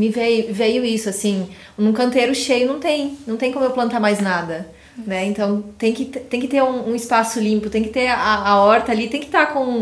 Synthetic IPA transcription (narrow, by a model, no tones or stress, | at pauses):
mɪvejʊvejʊisʊasĩ | nũkɐ̃nt̪eɾʊʃejʊnɐ̃w̃t̪ẽj̃nɐ̃t̪ẽj̃kõmʊewplɐ̃nt̪aɾmajznad̪ɐ | nɛẽnt̪ɐ̃w̃t̪ẽj̃kɪt̪t̪ẽj̃kɪt̪eɾũũɪspasʊlĩmpʊt̪ẽj̃kɪ̥t̪eɾaːɔɾt̪ɐalit̪ẽj̃kɪ̥t̪akõ